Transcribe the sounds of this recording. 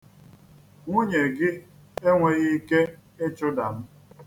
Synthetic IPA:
ŋʷo˦ɲe˨ɡɪ˦ | e˦ŋʷe˨ɣi˦i˦ke˦e˦t͡ʃʊ˦da˨m̩˦

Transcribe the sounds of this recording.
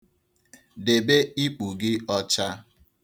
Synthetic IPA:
de˨be˦i˦k͡pu˨ɡɪ˦ɔ˦t͡ʃa˦

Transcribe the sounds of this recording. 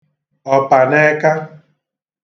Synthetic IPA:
ɔ˨pa˨ne˦ka˦

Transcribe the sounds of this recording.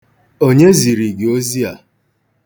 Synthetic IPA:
o˦ɲe˦zi˨ɾi˨ɡe˨o˦zi˦a˨

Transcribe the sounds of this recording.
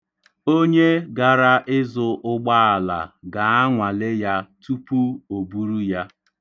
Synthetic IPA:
o˦ɲe˦ɡa˨ɾa˦ʔɪ˦zʊ˨ʔʊ˦ɡ͡ba˦a˨la̰˨ɡa˨a˦ŋʷa˨le˦ja˦tu˦pu˦o˨bu˦ɾu˦ja˦

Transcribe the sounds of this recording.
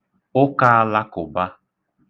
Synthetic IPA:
ʊ˦ka˦a˦la˦kʊ˨ba˦

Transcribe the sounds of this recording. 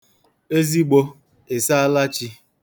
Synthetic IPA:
e˦zi˦ɡ͡bo˦ | e˨sa˦a˦la˦t͡ʃi˦

